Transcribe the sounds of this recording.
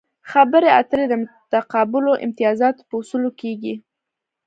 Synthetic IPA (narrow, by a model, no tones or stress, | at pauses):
xabəɾea̰t̪əɾed̪əmʊt̪aqɑbʊloʔɪ̰mt̪ɪjɑzɑt̪o̥pəʊsulokeɡi